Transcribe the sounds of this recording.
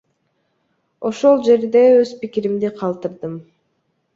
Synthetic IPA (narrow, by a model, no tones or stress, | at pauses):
o̞ʃo̞lˠd͡ʒe̞ɾd̪e̞øzpikiɾimd̪iqʰɑlˠt̪ɯɾd̪ɯm